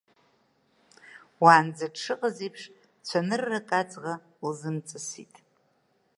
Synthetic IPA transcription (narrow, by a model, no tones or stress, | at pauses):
waːnd͡zaʈ͡ʂʂɨqʼazijpʰʂ | t͡ɕʷʰanɨrːakʼat͡sʼʁa | lzɨmt͡sʼɨsḭtʼ